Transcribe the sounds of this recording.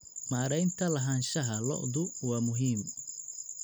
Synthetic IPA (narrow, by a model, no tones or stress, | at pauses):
maːɾɛjnt̪ʰɐlɐɦaːnʃɐɦɐlɔ̰ʔðʊwɑːmʊɦiːm